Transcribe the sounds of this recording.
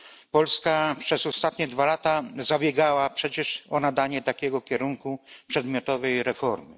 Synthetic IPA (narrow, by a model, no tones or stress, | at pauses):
pɔlskapʂɛzɔst̪at̪ɲɛd̪valat̪azabʲjɛɡawapʂɛt͡ɕɛʂɔnad̪aɲɛt̪akʲɛɡɔkʲɛɾuŋkupʂɛd̪mʲjɔt̪ɔvɛjɾɛfɔɾmɘ̰